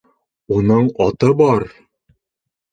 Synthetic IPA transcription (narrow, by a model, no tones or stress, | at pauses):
unɤɴɒt̪ɤbɒɾ